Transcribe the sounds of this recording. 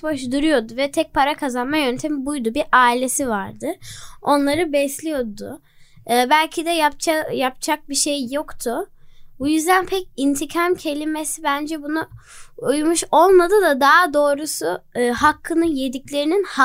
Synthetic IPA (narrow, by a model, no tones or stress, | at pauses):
boʃd̪uɾujo̞d̪uvɛt̪ʰɛc̚pʰaɾakʰazanmajø̞nt̪ʰɛmibujd̪ubiʔaːilʲe̞sivaɾd̪ɯo̞nlˠaɾɯbɛslʲijo̞d̪ʊ̰ː | bælʲcʰid̪ɛjap̚t͡ʃajap̚t͡ʃʰak̚biʃejːo̞kt̪ʰʊbujyzd̪ænpʰɛcint̪ʰicʰamcʰe̞lʲimesibænd͡ʒɛbunuujumuʃo̞lˠmad̪ɯd̪ad̪aad̪o̞ːɾusuɦakʰːɯnɯnje̞d̪iclʲe̞ɾininha